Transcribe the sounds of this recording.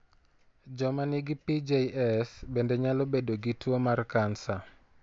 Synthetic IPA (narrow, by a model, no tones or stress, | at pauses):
d͡ʒɔmaniɡipid͡ʒeʔɛsbendeɲalobedoɡitwomarkansa